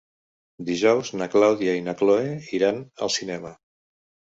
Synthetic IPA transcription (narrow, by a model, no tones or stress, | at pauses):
d̪iʒɔwznəklawðiainakloeiɾanə̰lˠsinɛmə